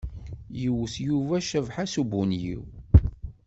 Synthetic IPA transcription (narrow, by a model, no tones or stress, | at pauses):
juwθjuvæʃəvħasubunjḭw